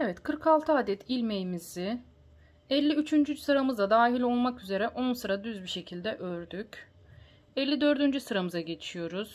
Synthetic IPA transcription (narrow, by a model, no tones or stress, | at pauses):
evɛt̪kʰɯɾkʰalˠt̪ʰɯaːd̪ɛt̪ʰilʲmejimizɪ | ɛlʲːiyt͡ʃʰynd͡ʒysɯɾamɯzad̪aːɦilʲo̞lˠmakyze̞ɾɛʔo̞nsɯɾad̪yzbiʃe̞cʰilʲd̪ɛʔøɾd̪yc | ɛlʲːid̪ø̞ɾd̪ynd͡ʒysɯɾamɯzaɟe̞t͡ʃ̪ʰi̥ʃijo̞ɾuz̥